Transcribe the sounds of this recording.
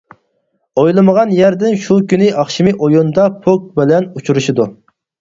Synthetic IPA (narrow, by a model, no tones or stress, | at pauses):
ojlˠɨməʁɑnjɛɾd̪ɪnʃukʲynɪʔɑχʃimɪʔojund̪ɑpʰok̚bɪlɛnut͡ʃʰuɾuʃid̪u